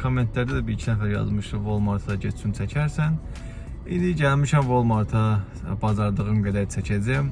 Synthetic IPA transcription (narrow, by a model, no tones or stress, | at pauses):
kʰo̞mːe̞nt̪ʰlæɾd̪æd̪æbiɾicʰinæfæɾjɑ̰zmɯʃd̪uvolˠmɑɾt̪ʰɑd̪ɑɟet̪ʰt͡ʃʰynt͡ʃʰæcʰæɾsæn | ind̪iɟælmiʃæmvo̞lˠmɑɾt̪ʰɑ | bɑzɑɾd̪ɯʁɯmɡæd̪æɾt͡ʃʰæcʰæd͡ʒæm